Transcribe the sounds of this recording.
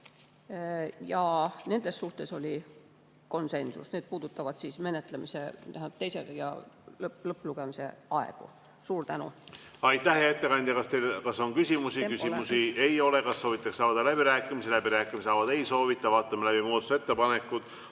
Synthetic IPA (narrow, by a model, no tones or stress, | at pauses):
jɑne̞nd̪̥e̞sːsuht̪e̞so̞lʲi | ko̞nse̞nsṵsned̪̚puːd̪ut̪ːˑɑvɑd̪̥sisme̞net̪ˑlemise̞̰næhæ̥t̪ejsḛɡɑjɑ̰llɤpːˑluɡ̥e̞mise̞̰ɑe̞̰ɡ̥ṵ | suːɾt̪ænṵɑjt̪ːˑæhɦejet̪ːe̞kɑnʲd̪ʲɑkɑst̪ejlkɑsːo̞nkysʲimusikysimusie̞jo̞le̞kɑsːo̞ːvit̪ːˑekssɑːd̪ɑlæbiɾæːkːˑimiselæbiɾæːkˑːimiseɑːvɑd̪̥ejso̞ːvit̪ːˑɑvɑːt̪ːˑɑmelæb̥imoud̪t̪use̞t̪ːepɑne̞kːˑud̪̥